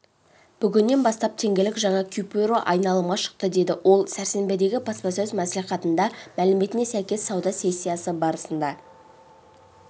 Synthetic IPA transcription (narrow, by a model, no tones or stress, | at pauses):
b̥ʏɡʲɪnːe̞nbɑst̪ɑp̚t̪ʰe̞ŋɡʲelɪkʒɑɴɑkʲʰypʲiɾo̞ʔɑjnɑlˠəmʁɑʃə̥q̚t̪əd̪e̞d̪ɪwʔo̞lˠsæɾse̞mbe̞d̪e̞ɡʲɪpʰɑspɑsɵzmæsliχɑt̪ənd̪ɑmælɪme̞t̪ɪne̞sæjkʲe̞sːɑwd̪ɑsʲe̞sʲːijasəbɑɾəsənd̪ɑ